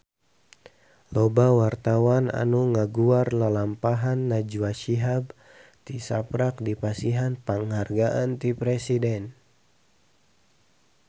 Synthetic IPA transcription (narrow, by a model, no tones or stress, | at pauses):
lɔbawart̪awana̰nuŋaɡuarlalampaɦanːad͡ʒuwaʃiɦab | t̪isa̰pɾak̚dipasiɦanpaŋharɡaʔant̪ipɾɛsidɛn